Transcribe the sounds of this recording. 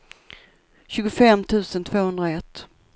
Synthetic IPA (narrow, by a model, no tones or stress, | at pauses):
ɕʉːɡʊfɛmːt̪ʰʉ̟ːsənt̪ʰvoːhɵnd̪ɾaɛt̪ː